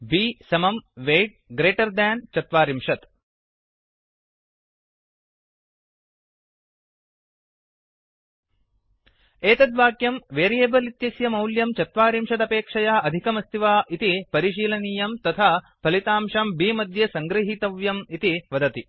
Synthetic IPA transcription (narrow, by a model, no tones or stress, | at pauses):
biːsɐmɐmʋeːʈ̚ɡɾeːʈɐɾd̪ɛːnt͡ʃɐt̪ʋaːɾimʂɐt̪ | eːt̪ɐd̪ʋaːkjɐmʋeːɾijeːbɐlit̪jɐsjɐmɐwljɐmt͡ʃɐt̪ʋaːɾimʂɐt̪ɐpeːkʂɐjaːɐd̪ʱikɐmɐst̪ʰiʋaːʔit̪ipɐɾiʃ̬iːlɐniːjɐmt̪ɐt̪ʰaː | pʰɐlit̪aːmʂɐmbiːmɐd̪ʱjɐsɐŋɡɾɐɦit̪ɐʋjɐmit̪iʋɐd̪ɐt̪i